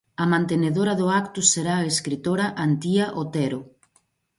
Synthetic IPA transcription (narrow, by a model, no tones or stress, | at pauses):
ɐmãnt̪eneðoɾɐðʊakt̪ʊseɾaaeskɾit̪oɾɐʔant̪iɐʔot̪ɛɾʊ